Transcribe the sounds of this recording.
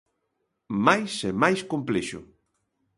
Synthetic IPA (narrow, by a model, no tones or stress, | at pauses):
majsemajskompleʃʊ̰